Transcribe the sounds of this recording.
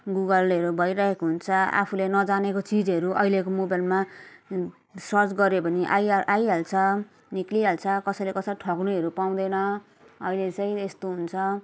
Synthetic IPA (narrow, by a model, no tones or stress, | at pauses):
ɡuɡʌlʌɾubʱʌjɾaɦekoɦunt͡sʰʌa̰pʰulenʌd͡zanekot͡sid͡zɦʌɾuʔʌilekomobalma | sʌrt͡sɡʌɾepʌniʔa̰jʔajɦalt͡sʰʌ | nikliɦalt͡sʰʌkʌsʌjlekʌsʌiʈʰʌknuʌɾupaw̃d̪ʌjnʌ | ʌilet͡sʌj̃est̪oɦunt͡sʰʌ